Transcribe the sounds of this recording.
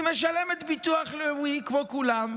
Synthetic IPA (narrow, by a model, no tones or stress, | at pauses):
meʃalemet̪bit̪uaχlewikvokulam